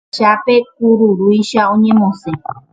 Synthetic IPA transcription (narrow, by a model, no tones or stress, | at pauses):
ʃape̞kuɾuɾujʃaõɲẽmõse